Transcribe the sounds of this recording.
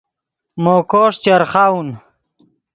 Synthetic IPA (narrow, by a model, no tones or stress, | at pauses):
moːkoːʂt͡ɕeɾχaun